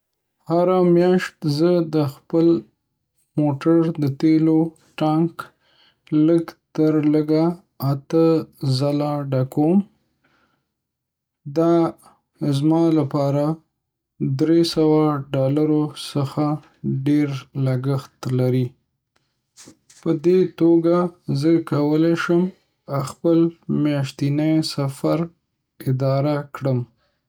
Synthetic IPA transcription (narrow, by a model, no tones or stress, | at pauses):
haɾamjɑʃt̪zəd̪əxpəl | moʈaɾd̪ət̪elo | ʈɑŋk | ləɡt̪əɾləɡa | at̪əzalaɖakʰom | d̪ɑ | zmɑlapɑɾa | d̪ɾesawaɖɑlaɾosəxa | ɖeɾləɡəxt̪laɾi | pəd̪et̪oɡazəkawəleʃəm | axpəlmjɑʃt̪inajsafaɾ | ɪd̪ɑɾakɽəm